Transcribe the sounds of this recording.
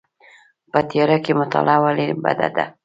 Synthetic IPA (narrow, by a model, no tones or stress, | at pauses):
pət̪ijɑɾakemʊt̪a̰lɑwaliba̰d̪a̰d̪a̰